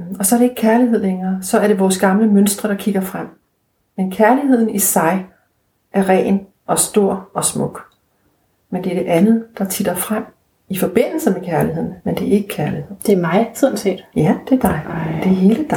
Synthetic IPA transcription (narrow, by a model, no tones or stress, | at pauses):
ɒ̽sɒ̽æɐɾe̝e̝ɡ̥̚kʰæɐliɦeð̰ˠleŋɐːsɒ̽æɐɾe̝ʋɒːsɡ̥ɑ̈mləmønsd̥ʁɐɾ̥ɑ̈kʰiɡ̥ɐfʁam̰ | menkʰæɐliɦe̝ð̞̰ˠn̩isɑ̈ɪ | ʔæɐʁɛ̰ːn | ʔɒ̽sd̥o̝ɐ̰ɒ̽smɔ̽ɡ̥ | mend̥e̝ɐɾ̥e̝ʔænð̞̩ˠd̥ɑ̈t͡sʰid̥ɐfʁam̰ | ifɒ̽b̥e̝n̰l̩səmekʰæɐlihe̝ð̞̰ˠn̩mend̥e̝æɐe̝ɡ̥əkʰæɐlihe̝ð̰ˠd̥eɐmɑ̈ɪsɔnse̝̰ːd̥jæd̥e̝d̥ɑ̈ɪd̥e̝he̝ːləd̥